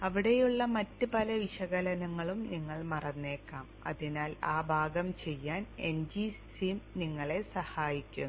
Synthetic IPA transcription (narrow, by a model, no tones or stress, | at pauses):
ɐʋiɽe̞juɭːɐmɐtːɨpɐlɐʋiɕɐɣɐlɐnɐŋːɐɭumniŋːɐɭmɐrɐnːe̞ːkːaːmɐ̰ðinaːlaːbʱaːɡɐmt͡ɕe̞jːaːne̞nd͡ʑissimniŋːɐɭe̞sɐhaːjikʲːunː